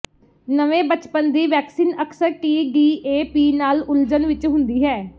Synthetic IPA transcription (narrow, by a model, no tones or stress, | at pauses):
nəʋẽːbət͡ʃpənd̪iːʋɛːksiːnəksəɾʈiːɖiːeːpiːnaːlʊld͡ʒənʋɪt͡ʃɦʊnd̪iːɦɛː